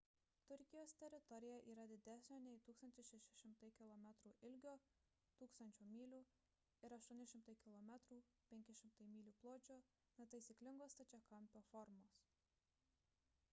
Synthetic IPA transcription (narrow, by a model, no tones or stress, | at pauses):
t̪ʊɾʲkʲɪjoːst̪ʲɛɾʲɪt̪ɔɾʲɪjɛʔiːɾɐd̪ʲɪd̪ʲæsʲnʲoːnʲɛɪt̪uːkst̪ɐnʲt̪ʲɪsʲɛʃʲɪʃʲɪmt̪ɐɪkʲɪlˠɔmʲæt̪ɾuːʔɪlʲɡʲoː | t̪uːkst̪ɐnʲt͡ʃʲuːmʲiːlʲuː | ɪɾɐʃt̪uɔnʲɪʃʲɪmt̪ɐɪkʲɪlˠɔmʲɛt̪ɾuː | pʲɛŋʲkʲɪʃʲɪmt̪ɐɪmʲiːlʲuːplˠoːt͡ʃʲoː | nʲɛt̪ɐɪsʲɪklʲɪŋɡoːst̪ɐt͡ʃʲɛkɐmʲˑpʲoːfɔɾmoːs